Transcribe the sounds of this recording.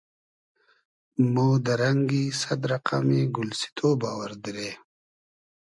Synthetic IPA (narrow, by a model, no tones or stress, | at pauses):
moːd̪ɐɾɐŋɡiːsɐd̪ɾɐqameːɡʊlsi̥t̪ʰoːbaːwəɾd̪iɾeː